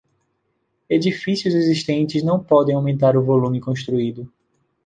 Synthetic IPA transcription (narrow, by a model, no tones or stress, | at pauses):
ed͡ʒifisiʊzeziʃt̪ẽnt͡ʃɪznɐ̃w̃pɔd̪ẽj̃awmẽnt̪̬aɾʊvolũmɪkõʃt̪ɾuid̪ʊ